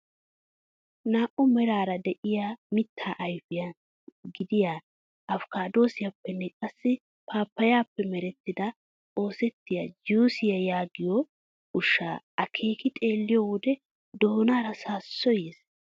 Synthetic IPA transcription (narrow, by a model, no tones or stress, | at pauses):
naːʔʊmɛɾaːɾɐd̪ɛʔɪjamɪt̪ʰːaːʔɐjfɪja | ɡɪd̪ɪjaː | ɐfkaːd̪o̞ːsɪjɐpːɛnːɛkʼɐsːɪ | paːpːɐjaːpːɛmɛɾɛt̪ːɪd̪ɐ | o̞ːsɛt̪ːɪjad͡ʒuːsɪjɐjaːɡɪjɔ | ʊʃːa̰ː | ɐkʰe̞ːkɪt̪ʼe̞ːlːɪjɔwʊd̪ɛ | d̪oːnaːɾɐsaːsːɔjeːs